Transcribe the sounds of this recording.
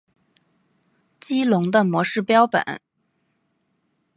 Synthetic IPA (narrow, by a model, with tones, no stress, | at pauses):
t͡ɕi˥lʊ˧˥ŋd̪ə˧mwɔ˧˥ʂɻ̩˥˩pjɑ˥ʊpə̰˨˩˦n